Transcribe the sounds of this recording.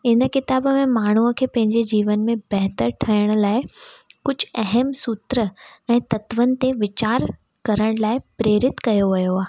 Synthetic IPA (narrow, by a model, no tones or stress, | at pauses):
ɪnəkɪt̪aːbəmẽmaːɳ̤uəkʰeːpɐ̃ɦɪ̃ɲd͡ʑed͡ʑiːʋənmẽbɐɦt̪əɾʈʰɐjəɽ̃ʊ̆laːɪkʊd͡ʑʱɐɦəmsʊt̪ɾəɛ̃ːt̪ɐt̪ʋənɪ̆t̪eʋɪt͡ɕaːɾ | kɐɾəɽ̃laːɪpɾeːɾɪt̪kɐjoʋɐjoaːɦ